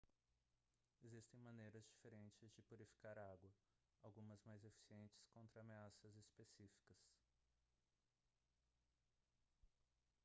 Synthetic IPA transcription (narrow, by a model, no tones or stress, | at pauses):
ezist̪ẽj̃mɐ̃nejɾɐzd͡ʒifeɾẽnt͡ʃɪzd͡ʒɪpuɾifi̥kaɾaɡwɐ | awɡũmɐzmajzefi̥siẽnt͡ʃɪ̥skõnt̪ɾɐːmeasɐzespesifi̥kɐs